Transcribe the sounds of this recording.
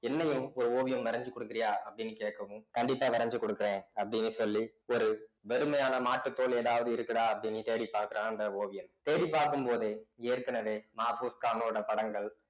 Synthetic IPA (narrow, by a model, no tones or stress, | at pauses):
ɛnːɐjɯ̃ɔɾɯoːʋɪjɐmʋɐɾɐɲd͡ʒɯkːɔɽɯkːɪɾɪjaːɐpːɐɽɪnːɯkeːʈkɐʋɯ̃kɐɳɖɪpːaːʋɐɾɐɲd͡ʒɯkɔɽɯkːɪɾẽːɐpːɐɽɪnːɯsɔlːiɔɾɯʋɛɾɯmɐjaːnɐmaːʈːɯt̪ːoːɭeːðaːʋɐðɯɪɾɯkːɐɽaːɐpːɐɽɪnːit̪eːɽipːaːɾkɯɾãːɐnd̪ɐoːʋɪjɐmt̪eːɽipːaːɾkɯmpoːðeːeːɾkɐnɐʋeːmaːfuːskaːnoːɽɐpɐɽɐŋɡɐɭ